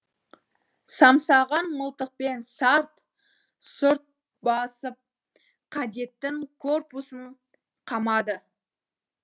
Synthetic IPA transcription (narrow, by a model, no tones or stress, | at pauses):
sɑmsɑʁɑnməlˠt̪əq̚pe̞nsɑɾt̪ | sʊɾt̪̚ | bɑsəp̚ | qʰɑd̪e̞t̪ːɪŋkʰorpusəɴ | qʰɑmɑd̪ə